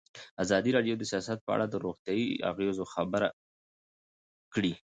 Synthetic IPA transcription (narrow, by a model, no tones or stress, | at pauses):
azɑd̪iɾɑɖjod̪əsijɑsat̪̚pəa̰ɽad̪əɾoɣt̪jɑia̰ɣezoxabəɾa | kɽi